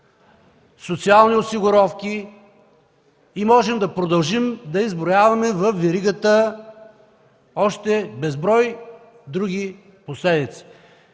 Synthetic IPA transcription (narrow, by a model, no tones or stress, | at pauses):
sot̪sialˠniosiɡʊɾɔfkʲi | imɔʒɛmd̪ɐpɾod̪ɐlˠʒimd̪ɐizbɾojavɐmɛvɐfvɛɾiɡət̪ə | ɔʃt̪ɛbɛzbɾɔj | d̪ɾuɡʲi | poslɛd̪it̪si̥